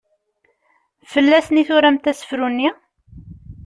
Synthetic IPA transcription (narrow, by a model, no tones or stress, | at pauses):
fəlːæsniθʊɾæmt̪æsə̥fɾunːi